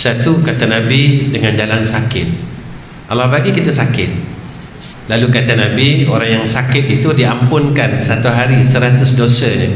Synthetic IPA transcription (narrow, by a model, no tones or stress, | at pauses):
sat̪ukat̪anãbidəŋand͡ʒalansakɪt̪̚ | ʔa̰lahbaɡikit̪asakɪt̪̚ | lalukat̪anãbioɾaŋjaŋsakɪt̪̚it̪udiampʊnkansat̪uɦaɾisəɾat̪ʊsdosəɲə